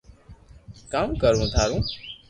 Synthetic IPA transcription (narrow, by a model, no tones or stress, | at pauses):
kaːmkəɾũːt̪ʰaːɾũː